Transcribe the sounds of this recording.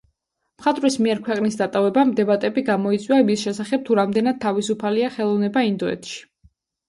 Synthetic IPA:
mχat̪ʼvɾismiɛɾkʰwɛqʼnisd̪at̪ʼavɛbamd̪ɛbat̪ʼɛbiɡamɔit̪sʼwiamisʃɛsaχɛb̚t̪ʰuɾamd̪ɛnad̪̚t̪ʰːavisupʰaliaχɛlˠɔvnɛbaind̪ɔɛ̰t̪ʰʃi̥

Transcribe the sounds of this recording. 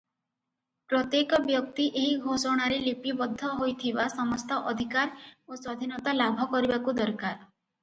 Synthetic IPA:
pɾɔt̪jekɔbjɔk̚t̪iʔeɦiɡʱosɔɽ̃aɾelipibɔd̪ʱːɔɦojt̪ʰibasɔmɔst̪ɔʔɔd̪ʱikaɾoswɔd̪ʱinɔt̪alabʱɔkɔɾibakud̪ɔɾkaɾ

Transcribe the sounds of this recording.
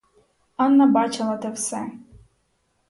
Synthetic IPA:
anːɐbat͡ʃɐlˠɐt̪ɛwsɛ

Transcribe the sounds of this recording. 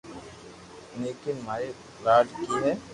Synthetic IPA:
neːkɪnmaːe | ɾaːɖkiːnẽː

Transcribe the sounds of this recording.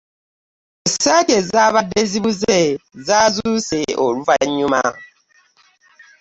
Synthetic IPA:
esakezaβadezibuzezazuseʔoɾuvaɲuma̰

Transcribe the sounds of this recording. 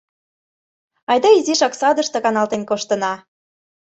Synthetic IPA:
ɑjd̪ɑiziʃɑksɑd̪ə̆ʃt̪ɤ̆kɑnɑlt̪enkoʃt̪ə̆nɑ

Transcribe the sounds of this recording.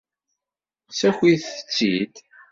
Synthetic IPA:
sæxiθə̥t͡sːid̪

